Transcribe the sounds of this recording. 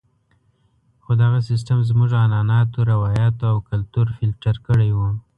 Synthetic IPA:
xod̪aɣasɪs̬ʈamzmuʒanɑnɑt̪oɾawɑjɑt̪oawkalt̪uɾfɪlʈaɾkəɽejwu

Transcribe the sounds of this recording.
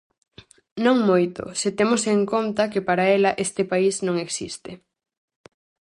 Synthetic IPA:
nõŋmojt̪ʊ̰sɪt̪emoseŋkont̪ɐkepaɾaɛlɐʔest̪ɪpaisnõŋeksḭst̪ɪ

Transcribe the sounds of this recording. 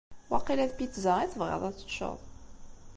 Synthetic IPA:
wɑqːilæðpit͡sːzæiθəvʁɪ̰ðˤæt͡sːə̥ʃə̰ðˤ

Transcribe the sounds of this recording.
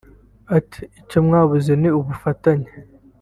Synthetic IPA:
ati̥ːcomŋaːβuzeniuβufataɲe̥

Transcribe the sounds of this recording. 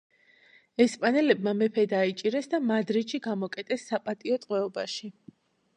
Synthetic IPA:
ɛspʼanɛlɛb̚mamɛpʰɛd̪ait͡ʃʼiɾɛsd̪amad̪ɾiʃiɡamɔkʼɛt̪ʼɛsːapʼat̪ʼiɔt̪ʼqʼwɛɔba̰ʃi

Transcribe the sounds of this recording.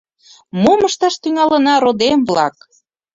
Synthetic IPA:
moməʃt̪ɑʃt̪yŋɑlənɑɾod̪emβlɑ̰k̚

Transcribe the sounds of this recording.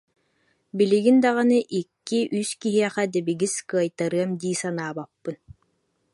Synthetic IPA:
biliɡind̪aʁanɯʔikːiʔyskiɦiɛχɛd̪ɛbiɡiskɯɐjt̪aɾɯɐmd̪iːsanaːbapːɯn

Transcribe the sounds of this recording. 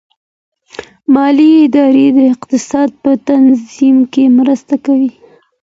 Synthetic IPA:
mɑliɪd̪ɑɾed̪əɪqt̪ɪsɑd̪̚pət̪anzimkemɾəst̪akawi

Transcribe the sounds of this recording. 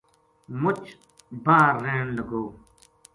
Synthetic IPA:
mʊt͡ɕ | baːɾːẽːnlɐɡoː

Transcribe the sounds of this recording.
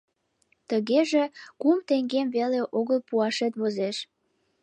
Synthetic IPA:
t̪əɣeʒekumt̪eŋɡemveleʔoɣəlpuɑʃet̪βozeʃ

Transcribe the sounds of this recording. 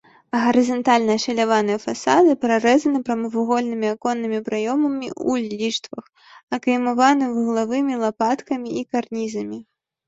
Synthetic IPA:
ɐɣɐɾɨzɐnt̪alʲnɐɐʂɐlʲavanɨjɐfasad̪ɨpɾaɾɛzɐnɨpɾɐmɨvuɣɔlʲnɨmʲiakɔnːɨmʲipɾajɔmɐmʲḭʔṵlʲːiʂt̪vɐx | ɐkɐjmavanɨwɣlˠavɨmʲilˠapat̪kɐmʲiikarnʲizɐmʲi

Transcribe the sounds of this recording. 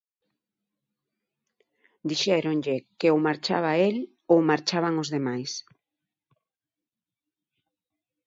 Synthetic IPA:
d̪iʃɛɾonʎekeomaɾt͡ʃa̰βael | owmaɾt͡ʃaβaŋozðemajs

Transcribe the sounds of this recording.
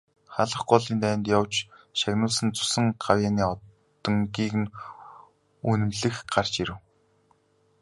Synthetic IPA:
χaɮə̆χɢʊɮiːnt̪æːnt̪jɔwt͡ɕʃaɣnʊːsə̆nt͡sʊ̥sə̆ŋɢawjaːniːɔ | t̪ɞ̆ŋɡiːkɘ̆n | unɘ̆mɮɘ̆xɢar̥t͡ɕiɾɘ̆w

